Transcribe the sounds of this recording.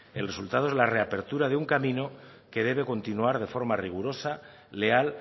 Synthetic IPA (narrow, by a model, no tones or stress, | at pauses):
e̞lre̞sult̪að̞oe̞zlare̞ape̞ɾt̪uɾaðeuŋkamĩno̞ | ke̞ðe̞β̞e̞ko̞nt̪inuaɾð̞e̞fo̞ɾmariɣ̞uɾo̞sa | le̞al